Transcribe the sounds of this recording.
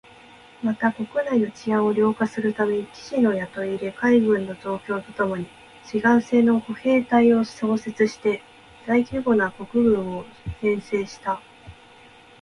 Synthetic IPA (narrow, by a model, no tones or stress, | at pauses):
mat̪ako̞kɯ̟naino̞t͡ɕijãɰ̃o̞ɾʲo̞ːkasɨɾɯ̟t̪ame̞ɲ̟ikʲi̥ɕino̞jat̪o̞iɾekaiɡɯ̟̃nːo̞d͡ʑo̞ːkʲo̞ːt̪o̞t̪o̞mo̞ɲ̟i | ɕiɡãɰ̃se̞ːno̞ko̞he̞ːt̪aio̞so̞ːse̞t͡sɨɕi̥t̪e̞ | zaikʲɨːɡo̞nako̞kɯ̟ɡɯ̟̃ɰ̃o̞hẽ̞ɰ̃se̞ːɕi̥t̪a